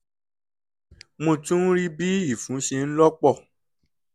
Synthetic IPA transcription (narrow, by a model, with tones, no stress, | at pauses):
mõ˧˨tũ˦ɾi˦bi˦i˦˨fũ˨˦ʃe˧n̩˦lɔ˦k͡pɔ˦˨